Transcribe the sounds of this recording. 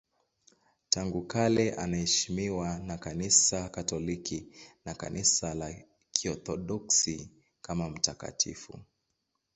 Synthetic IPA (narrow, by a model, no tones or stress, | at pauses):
taŋɡukalɛʔanaɛʃimiwanakanisakatɔlikinaka̰nʔisala | kʰiɔθɔɗɔksi | kamam̩taka̰tḭfṵ